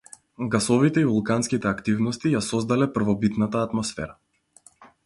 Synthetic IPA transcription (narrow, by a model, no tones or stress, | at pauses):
ɡasɔvit̪ɛivulˠkanskit̪ɛakt̪ivnɔst̪ijasɔzd̪alɛpr̩vɔbit̪nat̪aːt̪mɔsfɛ̰ɾa